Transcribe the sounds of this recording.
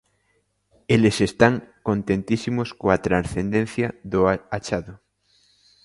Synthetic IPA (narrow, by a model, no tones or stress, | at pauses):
elesest̪aŋkont̪ẽnt̪isimoskoat̪ɾansθend̪ẽn̟θjɐðoat͡ʃaðʊ